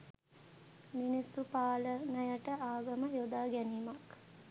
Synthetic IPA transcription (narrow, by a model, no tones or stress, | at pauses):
minisːupaːlənəjəʈəʔaːɡəməjod̪aːɡæniːmak